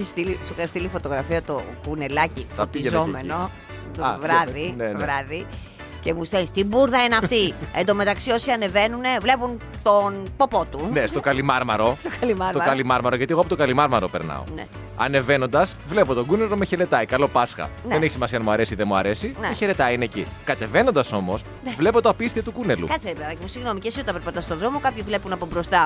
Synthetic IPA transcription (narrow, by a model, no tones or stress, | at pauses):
ist̪ilisokɐst̪ilifo̞t̪o̞ɣɾɐfiɐt̪oɡunelɐciθɐpiiʝezome̞no̞ | t̪ovɾɐðineoɾɐði | cemust̪enst̪ibuɾðɐenɐt̪iend̪o̞me̞t̪ɐksio̞siɐne̞ve̞nune̞vle̞punt̪onpo̞po̞t̪unest̪okɐlimɐɾmɐɾo̞st̪okɐlimɐsɾt̪oɐkɐlimɐɾmɐɾoʝɐt̪ieɣoɐpot̪okɐlimɐɾmɐɾo̞peɾnɐ̰o̰nḛ | ɐ̰ne̞veno̞nd̪ɐs | vle̞po̞t̪o̞ɡuneɾomeçeɾe̞t̪ɐikɐlo̞pɐsxɐ̰nðeneçisimɐsiɐnɐmuɐɾe̞siðemuɐ̰ɾe̞sinmeçeɾe̞t̪ɐinecikɐt̪e̞ve̞no̞nd̪ɐso̞mos | vle̞po̞t̪oɐpist̪iɐt̪ukune̞lṵkɐt̪seveɐðɐcemusiɣno̞micesiot̪ɐpɾepɐt̪ɐst̪oðɾo̞mo̞kɐpçivle̞punɐpobɾo̞st̪ɐ